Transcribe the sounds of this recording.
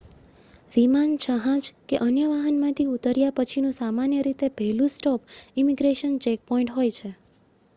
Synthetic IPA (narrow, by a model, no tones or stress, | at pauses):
ʋimant͡ʃʰəɦãd͡ʒkeʔənjəʋaɦənmãt̪ʰiut̪əɾjapət͡ʃʰinũsamanjəɾit̪epɛɦlũsʈɔpimiɡɾeʃənt͡ʃɛk̚pɔĩɳʈɦojt͡ʃʰe